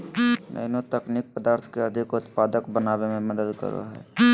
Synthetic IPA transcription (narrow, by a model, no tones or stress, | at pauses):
nʔə̰jnot̪əknik̚pəd̪aɾt̪ʰkeəd̪ʱikut̪pad̪əkbənabememəd̪əd̪kə̰ɾo̰ɦɛ̰